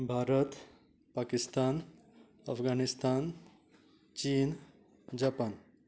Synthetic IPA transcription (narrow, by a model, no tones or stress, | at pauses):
bʱaɾət̪ | pakist̪aːn | ɐfʰɡanist̪an | t͡ɕiːn | d͡ʑapan